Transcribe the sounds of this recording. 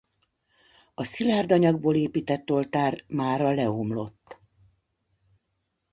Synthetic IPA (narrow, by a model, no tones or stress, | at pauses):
ɒsilaːrd̪ɒɲɒɡboːleːpiːt̪ɛt̪ːo̞lt̪aːrmaːɾɒlɛomlo̞t̪ː